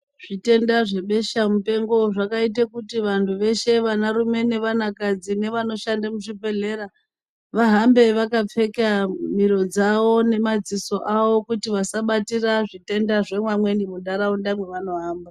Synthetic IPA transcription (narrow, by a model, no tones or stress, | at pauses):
ʐ̥ite̞ndaʐe̞ɓe̞ʃamupe̞ŋɡo̞ʐakait̬akutiʋantʰuʋe̞ʃe̞ʋanaɾume̞ne̞ʋanakad͡zine̞ʋano̞ʃandemuʐipe̞ɮe̞ɾa | ʋaɦambe̞ʋakap͡fe̞kamiɾo̞d͡zawo̞ne̞mad͡ziso̞ʔawo̞kutiʋasaɓatiraʐite̞ndaʐe̞mwamwe̞nimudaɾaundamwe̞ʋano̞ɦaːmba